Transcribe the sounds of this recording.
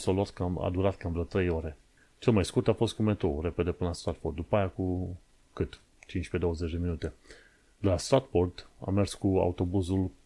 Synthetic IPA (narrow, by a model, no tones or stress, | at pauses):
soluat̪kəama̰d̪uɾat̪kəanmvɾət̪ɾe̞jo̞ɾe̞ | t͡ʃe̞lmajskurt̪afo̞st̪̚kume̞t̪ɾo̞uɾe̞pe̞d̪e̞pɨnəlast̪ɾat̪ford̪d̪upaajaku | kɨt̪ | t͡ʃint͡ʃped̪o̞wəze̞t͡ʃʲd̪eminut̪e̞ | d̪elast̪ɾat̪fo̞rd̪a̰mːe̞rskua̰ut̪o̞buzul